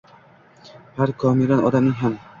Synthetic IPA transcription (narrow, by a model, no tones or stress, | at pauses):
haɾkʰɒmɪlanɒ̰d̪amnɪŋɦam